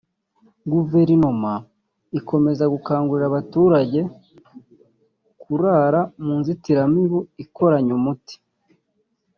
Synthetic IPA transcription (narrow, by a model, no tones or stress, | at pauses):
ɡuve̞ɾinuma | iko̞me̞zaɡukaːŋɡuɾiɾaβatuːɾaɟe̞ | kʰuɾaːɾamuːnzitiɾamiβuiko̞ɾaɲumuti̥